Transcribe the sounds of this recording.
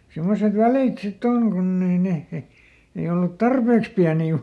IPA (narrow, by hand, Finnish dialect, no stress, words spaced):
simːoset ʋæliˑt sitː oŋ kunː ei neh he ei olːut tɑrpeːks piæniː